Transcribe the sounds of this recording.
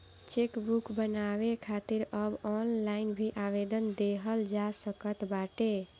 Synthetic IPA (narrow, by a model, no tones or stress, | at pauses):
t͡ʃekbukbənaβekʰat̪iɾəbɔnlainbʱiʔaʋed̪ənd̪eɦəld͡ʒasəkət̪baʈe